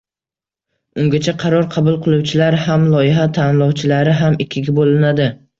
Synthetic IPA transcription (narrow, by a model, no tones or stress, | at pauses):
ʊŋɡʲat͡ʃʰaqʰɑɾɒɾqʰɑbʊlˠqʰɨlˠuwt͡ʃʰɪlaɾhamlˠɒjɪɦat̪ʰanlˠɒwt͡ʃʰɪlaɾɪɦamɪkʲʰːɪɡʲabolɪnad̪ɪ